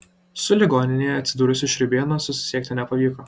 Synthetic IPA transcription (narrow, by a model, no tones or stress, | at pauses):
sʊlʲɪɡɔːnʲɪnʲejɛɐt̪ʲsʲɪd̪uːɾʊsʲɪʃʲɾʲʊbʲeɛnɐsʊsʲɪ̥sʲiɛk̚ʲt̪ʲɪnʲɛpɐʋʲiːko